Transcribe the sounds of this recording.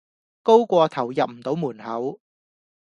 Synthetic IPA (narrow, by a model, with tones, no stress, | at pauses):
ko˥wkʷɔː˧t̪ʰɐ˨˩wjɐ˨p̚m̩˨˩t̪o˨˥wmuː˨˩nhɐ˨˥w